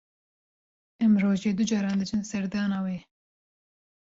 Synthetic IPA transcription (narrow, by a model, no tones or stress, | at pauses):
ɛmroːʒeːd̪ud͡ʒɑːɾɑːnd̪ɨd͡ʒɨnsɛɾd̪ɑːnɑːweː